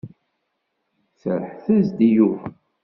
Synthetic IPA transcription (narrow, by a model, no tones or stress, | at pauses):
θəɾħθæzd̪iju